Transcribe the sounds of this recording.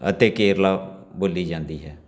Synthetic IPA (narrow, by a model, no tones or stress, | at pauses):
ə̰t̪eːkeːɾlaːboːliːd͡ʒãːnd̪iːɦɛː